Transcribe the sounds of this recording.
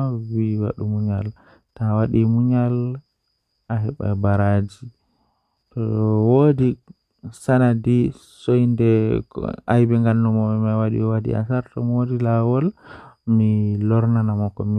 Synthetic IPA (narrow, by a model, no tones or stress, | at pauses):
wiwa̰ɗumuɲal | tawaɗimuɲal | aɦɛɓa̰baɾad͡ʒi | tɔwodi | sanadi | sojndɛ̰ | ajbɛŋɡanːɔmɔɛmawaɗḭwadḭa̰saɾtɔmodilawɔlmilɔɾnanamɔkɔmi